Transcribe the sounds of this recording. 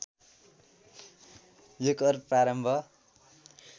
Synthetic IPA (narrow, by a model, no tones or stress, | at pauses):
jokʌrpraɾʌmbʱʌ